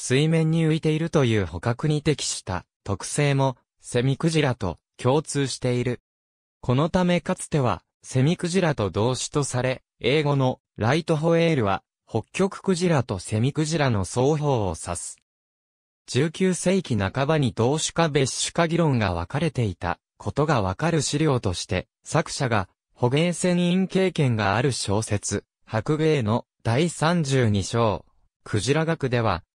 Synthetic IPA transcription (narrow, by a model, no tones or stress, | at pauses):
sɨimẽ̞ɲ̟ːiɯ̟it̪e̞iɾɯ̟t̪o̞jɯ̟ːho̞kakɯ̟ɲ̟it̪e̞kʲi̥ɕi̥t̪a̰ | t̪o̞kɯ̟̥se̞ːmo̞ | se̞mʲikɯ̟ʑiɾat̪o̞̰ | kʲʰo̞ːt͡sɨːɕi̥t̪e̞iɾɯ̟ | kʰo̞no̞t̪ame̞kat͡sɨ̥t̪e̞β̞a̰ | se̞mʲikɯ̟ʑiɾat̪o̞d̪o̞ːɕi̥t̪o̞saɾe̞ | e̞ːɡo̞no̞ | ɾait̪o̞ɦo̞e̞ːɾɯ̟βa̰ | ho̞kʲːo̞kɯ̟̥kɯ̟ʑiɾat̪o̞se̞mʲikɯ̟ʑiɾano̞so̞ːço̞̰ːsasɨ̥ | d͡ʑ̥ɨːkʲɨːse̞ikʲinakabaɲ̟id̪o̞ːɕɨ̥kabe̞ɕɕɨ̥kaɡʲiɾõ̞ŋɡa̰β̞a̰kaɾe̞t̪e̞it̪a̰ | kʰo̞t̪o̞ɡaβ̞akaɾɯ̟ɕiɾʲo̞ːt̪o̞ɕi̥t̪e̞̰ | sakɯ̟̥ɕaɡa | ho̞ɡẽ̞ːsẽ̞nĩŋke̞ːkẽ̞ŋɡaaɾɯ̟ɕo̞ːse̞t͡sɨ | hakɯ̟ɡe̞ːno̞ | d̪̥aisãɲ̟d͡ʑɨːɲ̟iɕo̞ː | kʰɯ̟ʑiɾaɡakɯ̟d̪e̞β̞a̰